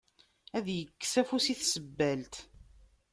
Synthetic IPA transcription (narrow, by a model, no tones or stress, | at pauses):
æðjəkːsæfusiθsəbːælt̪